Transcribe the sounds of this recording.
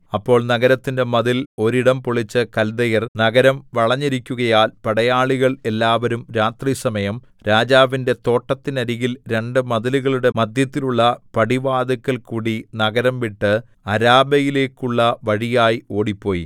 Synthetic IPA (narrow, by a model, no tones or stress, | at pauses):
ɐpːo̞ːɭnɐɣɐɾɐt̪ːinde̞mɐðilo̞ɾiɽɐmpoɭit͡ɕːɨkɐld̪ɐjɐrnɐɡɐɾɐmʋɐɭɐɲːiɾikʲːuɣɐjaːlpɐɽɐjaːɭiɣɐɭe̞lːaːʋɐɾumɾaːt̪riːsɐmɐjɐm | ɾaːd͡ʑaːʋinde̞t̪o̞ːʈːɐt̪ːinɐɾiɣilɾe̞ɳɖɨmɐðɐliɣɐɭuɽe̞mɐd̪ʱjɐt̪ːiluɭːɐpɐɽiʋaːd̪ɐkːɐlkuːɽinɐɡɐɾɐmʋiʈːɨ | ɐɾaːbɐjile̞ːkːuɭːɐʋɐɻijaːjio̞ːɽipːo̞ːjḭ